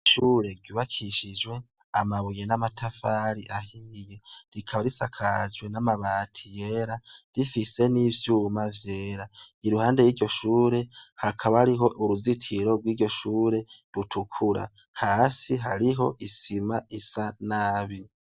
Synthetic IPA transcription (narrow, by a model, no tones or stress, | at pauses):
ʃuːɾe̞ɾɡiːβakʰiʃid͡ʒwe̞ | amaβujenamatʰafaɾiʔahijeɾikʰaβaɾisakʰad͡ʒɡwe̞namaβaːtʰije̞ːɾaɾifise̞nivjumavje̞ːɾaiɾuhaːnde̞jiːɾɟoʃuːɾe̞hakʰaβahaɾiɦo̞ʔuɾuzitʰiɾo̞ɡwiːɟo̞ʃuːɾe̞ɾutʰukʰuɾa̰ | haːsiɦaɾiɦo̞ʔisimaisanaːβi